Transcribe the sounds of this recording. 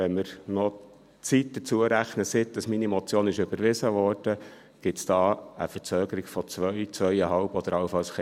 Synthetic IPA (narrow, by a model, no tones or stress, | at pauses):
ɛnməɾnɔ | t͡sit̚d̥̪ət͡suəɾæχnəsɪt̚d̥ɑsminimɔt͡sjoːnɪʃʏbəɾʋɪsəʋɔːrd̥ə | ɡ̥ɪtsd̥ɑːə̰fə̥t͡søːɡ̥əɾɪɡ̥fɔt͡sʋœʏt͡sʋœʏjəɦɑlbɔd̥̪əɾɑlfɑlsχ